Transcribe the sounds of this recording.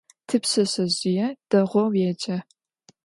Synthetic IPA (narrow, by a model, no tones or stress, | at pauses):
tʰɨpɕɐɕɐʑɪjɛd̥ɐʁʷɔwjɛd͡ʒʼɐ